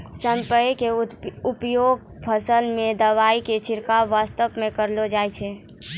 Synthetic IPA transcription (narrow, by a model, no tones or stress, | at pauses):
sə̃mpəjkeʊpjoːɡ̚pʰəsəlmẽd̪əʋaːiket͡ʃʰɪɾkaʋaːst̪əpmẽkəɾlod͡ʒaːjt͡ʃʰe